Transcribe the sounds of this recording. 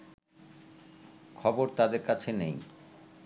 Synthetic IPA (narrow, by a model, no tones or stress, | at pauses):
kʰɔboɾt̪ad̪eɾkat͡ɕʰenej